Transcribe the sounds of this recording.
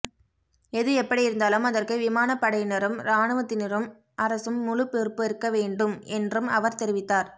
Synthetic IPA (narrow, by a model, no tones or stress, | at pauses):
ɛðɯɛpːɐɽijɪɾɯnd̪aːlɯmɐðɐrkɯʋɪmaːnɐpːɐɽɐɪnɐɾɯmɾaːɳɯʋɐt̪ːɪnɪɾɯm | ʔɐɾɐsɯmːʊɻʊpːɪrpɯɪɾɯkːɐʋeːɳɖɯmɛndrɯmɐʋɐɾt̪ɛɾɪʋɪt̪ːaːɾ